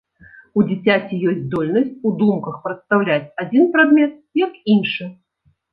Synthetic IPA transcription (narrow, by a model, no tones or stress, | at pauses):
ud͡zʲit͡sʲat͡sʲijɔsʲt̪ʲd̪ɔlʲnɐsʲt͡sʲud̪umkɐxpɾɐt̪st̪awlʲat͡sʲad͡zʲinpɾad̪mʲɛt̪̚jɐkinʂɨ